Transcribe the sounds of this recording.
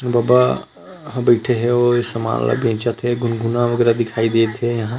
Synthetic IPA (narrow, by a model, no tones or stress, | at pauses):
baːba | ɦãbɐɪʈʰeɦɛoesɐma̰ːlla̰bʱẽːt͡ʃat̪ɦɛɡʊnɡunaʋəɡɛːɾad̪ɪkʰaːid̪eːt̪ɦejɐɦã